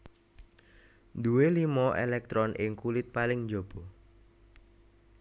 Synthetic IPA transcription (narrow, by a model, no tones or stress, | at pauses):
d̪uwelimɔʔḛlɛk̚t̪ɾɔnʔɪŋkulɪt̪̚palɪŋd͡ʒob̥ɔ